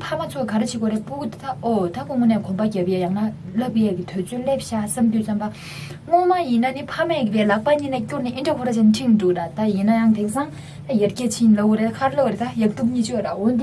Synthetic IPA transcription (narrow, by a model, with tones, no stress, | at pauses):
pʰa˥ma˨t͡sʰo˥˨kkʰa˨ɾe˥t͡ɕʰi˥˨ko˩˨ɾe˩˨pu˥˨ku˥˨t̪t̪a˦˥o˩˨t̪a˦˥ko˥ŋmo˥˨nɛː˨kʰo˩˨ba˨ca˩˨pjɛ˨ja˩˨ŋna˨lə˥˨pjɛː˨ki˨t̪ʰø˩˨t͡søː˥le˥p̚ɕa˥˨sa˥mt̪yː˨sa˥mba˨ | ŋo˥ma˥˨ji˩˨na˨ni˨pʰa˥mɛː˨ki˨pɛː˨la˩˨ʔ̚pa˨ɲiː˥˨na˨cu˥rnɛ˨ʔi˥nɖ͡ʐa˥kʰo˥ɾa˨t͡ɕʰa˨nʈ͡ʂʰi˥ŋʈ͡ʂu˩˨t̪a˨t̪a˨ji˩˨na˨ja˩˨ŋt̪ʰe˩˨ŋsa˥ŋ | t̪a˥ja˩˨ʔcɛː˥˨t͡ɕʰi˥n˨lə˥˨ku˨ɾe˩˨kʰa˨ɾlə˥˨ku˨ɾe˨t̪a˦˥ja˩˨k̚t̪u˥˨ɲiː˥t͡ɕi˨jɔ˩˨ra˨ɦo˩˨nd̪i˨